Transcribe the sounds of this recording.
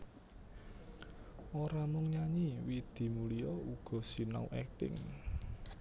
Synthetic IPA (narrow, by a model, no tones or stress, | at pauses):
ʔoɾamʊŋɲaɲiwid̪̥i̤mulijɔuɡ̥ɔ̤sina̰ṵʔɛk̚t̪ɪ̰ŋ